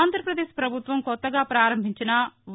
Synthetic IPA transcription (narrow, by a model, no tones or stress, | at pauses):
nd̪ʱɾɐpɾɐd̪eːʃpɾɐbʱut̪ʋɐmkɔt̪ːɐɡaːpɾaːɾɐmbʱiɲt͡ʃinɐʋ